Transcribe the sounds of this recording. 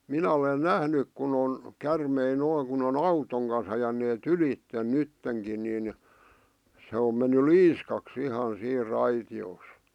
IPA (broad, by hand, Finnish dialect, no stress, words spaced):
minæ olen næhnyk kun on kærmei noiŋ kun on ɑutoŋ kɑns ɑjɑneːt ylitːen nytːeŋkin nin se om menːy liːskɑks ihɑn siːr rɑitioːs